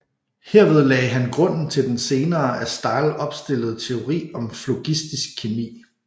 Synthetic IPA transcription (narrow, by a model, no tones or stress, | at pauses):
heɐ̰ʋe̝ð̞ˠlɛ̰ɪɦænɡ̥ʁɔ̽n̰n̩t͡sʰe̝ld̥ense̝ːnɐːæsd̥ɑ̈ːlʔɒ̽b̥sd̥e̝l̰əð̞̩ˠt͡sʰe̝o̝ʁḭːɒ̽mflo̝ɡ̥isd̥isɡ̥̚kʰːemḭː